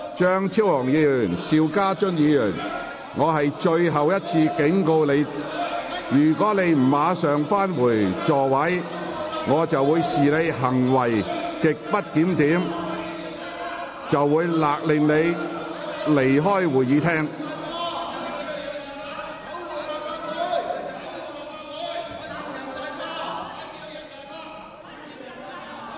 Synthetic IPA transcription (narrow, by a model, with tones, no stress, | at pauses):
t͡ʃœː˥ŋt͡sʰiː˥whɔː˨˩ŋjiː˨˧lyː˨˩nsiː˨˧wkaː˥t͡ʃɵ˥njiː˨˧lyː˨˩n | ŋɔː˨˧ɦɐ˨jt͡ʃɵ˧ɥɦɐ˨wjɐ˥t̚t͡sʰiː˧kɪ˨˥ŋko˧wle˨˧j | jyː˨˩kɔː˨˥ne˨˧jm̩˨˩mːaː˨˧sœː˨ŋfaː˥nwuː˨˩jt͡sɔː˨wɐ˨˥j | ŋɔː˨˧t͡sɐ˨wːuː˨˧jsiː˨ne˨˧jɦɐ˨˩ŋwɐ˨˩jkɪ˨k̚pɐ˥t̚kiː˨˥mt̪iː˨˥m | t͡sɐ˨wːuː˨˧jlaː˨k̚lɪ˨ŋne˨˧j | le˨˩jɦɔː˥jwuː˨˩jjiː˨˧t̪ʰɛː˥ŋ